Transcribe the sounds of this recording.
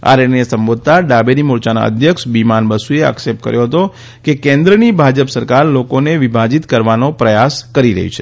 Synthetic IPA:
a̰ɾeesəmbod̪̚t̪aɖabeɾimʊɾt͡ʃana̰ə̰d̪ʱjəkʂbimanbəsuea̰ksep̚ʈ̚kə̰ɾjoɦət̪o | kekẽnd̪ɾənibʱad͡ʒəpsəɾkaɾlokoneʋibʱad͡ʒit̪kəɾʋanopɾəjaskəɾiɾə̰ɦṵt͡ʃʰe

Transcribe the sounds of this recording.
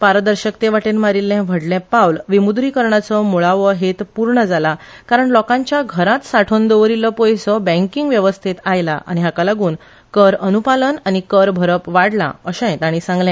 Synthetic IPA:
paɾəd̪əɾɕəkt̪eʋaʈenmaɾilːɛ̃ʋʱəɽlɛ̃pawlʋimud̪ɾikəɾɳat͡sɔmuɭaʋəɦet̪puɾɳəd͡zala | kaɾəɳlɔkãɲt͡ɕjaɡʱəɾat̪saʈʰond̪ɔʋɾiləpɔjsɔbə̃ŋkiŋɡʋjəʋəst̪ʰit̪ajla̰ʔa̰ñiɦakalaɡuːn | kəɾənupalənañikəɾbʱəɾəpʋaɽla̰əɕə̃jt̪aɽ̃isãŋɡlɛ̃

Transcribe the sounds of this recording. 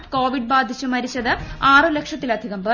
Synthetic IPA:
ʈkoːʋiɖ̚baːd̪ʱit͡ɕːumɐɾit͡ɕːɐðɨaːrɨlekʂɐt̪ːilɐd̪ʱiɣɐmbɐ

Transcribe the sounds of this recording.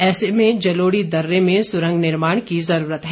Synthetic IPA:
ɛːsemẽd͡ʒɐloːɽid̪ɐɾːemẽsʊɾə̃ŋɡnɪɾmaːɽ̃kizɐɾuːɾət̪ɦɛ

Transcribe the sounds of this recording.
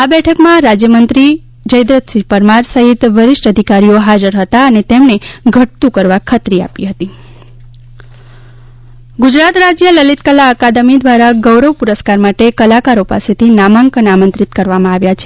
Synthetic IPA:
abɛʈʰəkmãɾad͡ʒjəmənt̪ɾi | d͡ʒəjd̪ɾət̪sipəɾmaɾsəɦit̪ʋəɾɪʃʈəd̪ʱikaɾijoɦad͡ʒəɾɦət̪aənet̪emneɡʱəʈ̚t̪ũkəɾʋakʰət̪ɾia̰piɦət̪i | ɡud͡ʒɾat̪ɾad͡ʒjələlit̪kəlaəkad̪əmid̪ʋaɾaɡəwɾəʋpuɾəskaɾmaʈekəlakaɾopa̰set̪ʰinamãŋkənamə̃nt̪ɾit̪kəɾʋamãaʋjat͡ʃʰe

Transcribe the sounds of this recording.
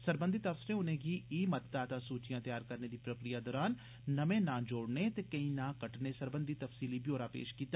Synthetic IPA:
səɾbə̃nd̪ʱit̪əfsɪɾẽʊnẽɡiːiːmɐt̪t̪aːt̪asuːt͡ʃijãːt̪əjaːɾkəɾned̪iːpɾəkɾijad̪ɔːɾaːnː | ɐmẽnãːd͡ʒoːɽnet̪ekɐĩːnãːkəʈnesəɾbə̃nd̪ʱit̪əfsiːlibjoːɾaːpḛːʃkiːt̪a

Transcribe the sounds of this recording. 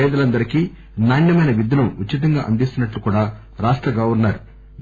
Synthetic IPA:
ɛːd̪ɐlɐnd̪ɐɾikiː | naːɳjɐmɐjnɐʋid̪ʱːɐluutːt͡ʃːit̪̬ɐŋɡaːʔɐnd̪ist̪unɐʈlukuːɽaː | ɾaːʂʈɾɐɡɐːʋuɾnːaːɾu

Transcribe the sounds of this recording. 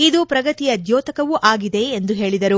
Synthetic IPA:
id̪upɾɐɡɐt̪ijɐd̪joːt̪ɐkɐʋuʔaːɡid̪e̞ːnd̪uɦe̞ːɭid̪ɐɾu

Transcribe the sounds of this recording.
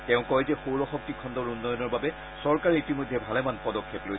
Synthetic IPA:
tɛʊ̃kɔjzɛxowɹɔxɔk̚tikʰɔndɔɹunːɔjɔnɔɹbabɛ | sɔɹkaɹiitimojdʱːɛbʱalɛmanpɔdɔkʰːeploj

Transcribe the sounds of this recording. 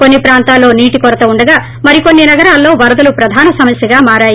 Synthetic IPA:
ko̞nːipɾaːnt̪aːlːo̞ːniːʈikɔɾɐt̪ɐuɳɖɐɡaː | mɐɾiko̞nːinɐɡɐɾaːlːo̞ːʋɐɾɐd̪ɐlupɾɐd̪ʱaːnɐsɐmɐsjɐɡaːmaːɾaːji

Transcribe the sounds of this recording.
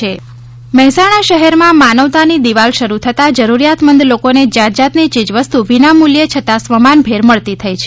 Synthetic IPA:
e | mɛɦɛsaɽ̃aʃəɦɛɾmãmanəʋt̪anid̪iʋalʃəɾut̪ʰət̪ad͡ʒəɾuɾijat̪mənd̪lokoned͡ʒad͡ʒat̪nit͡ʃid͡ʒʋəst̪uʋinamuljət͡ʃʰət̪asʋəmanbʱeɾməɭt̪it̪ʰəjt͡ʃʰ

